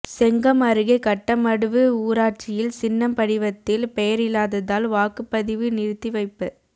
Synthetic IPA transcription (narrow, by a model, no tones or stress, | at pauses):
sɛŋɡɐmɐɾɯɣɐɪkɐʈːɐmɐɽɯʋɯuːɾaːʈ̚t͡ʃɪjɪlsɪnːɐmpɐɽɪʋɐt̪ːɪlpɛjɐɾɪlaːðɐðaːlʋaːkɯpːɐðɪʋɯnɪɾt̪ːiʋɐɪpːɐ